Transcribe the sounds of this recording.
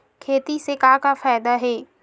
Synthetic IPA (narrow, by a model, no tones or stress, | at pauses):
kʰeːt̪isekãːkafaːɪd̪aɦeː